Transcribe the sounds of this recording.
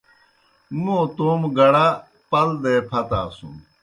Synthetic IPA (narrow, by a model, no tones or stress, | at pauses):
mũt̪oːmɡɐɽa | pɐld̪epʰɐt̪aːsṵ̃m